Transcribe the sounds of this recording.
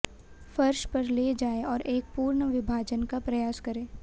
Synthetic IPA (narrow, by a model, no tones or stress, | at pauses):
fɐɾʃpɐɾleːd͡ʒaːeɔːɾeːk̚puːɾɳəʋɪbʱaːd͡ʒənkapɾɐjaːskɐɾeː